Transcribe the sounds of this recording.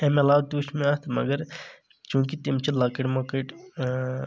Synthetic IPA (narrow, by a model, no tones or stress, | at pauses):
emelaːʋd̪uʃmẽaːt̪ʰmɐ̰ɡəɾ | t͡ʃũːkit̪imt͡ʃilaːkeʈmaːkeʈ